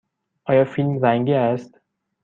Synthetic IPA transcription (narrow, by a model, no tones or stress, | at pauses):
ʔɒːjɒːfilmræŋɡiæst̪